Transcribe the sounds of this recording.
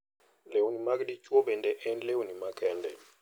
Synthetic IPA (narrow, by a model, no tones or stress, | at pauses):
lewunimakdit͡ʃwobɛndɛʔɛnlewunimakɛndɛ